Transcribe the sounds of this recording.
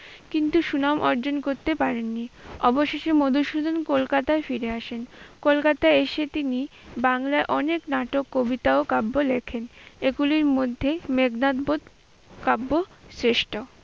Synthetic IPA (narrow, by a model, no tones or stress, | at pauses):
kint̪uʃunamʔɔɾd͡ʑonkoɾt̪epaɾenːiɔboʃeʃemod̪ʱuʃud̪ʱonkolkat̪aefiɾeaʃenkolkat̪aeʃet̪inibaŋlaeʔɔneknaʈokːobit̪aokabːolekʰeneɡuliɾmod̪ʱːemeɡnat̪bod̪ | kabːosɾeʃʈo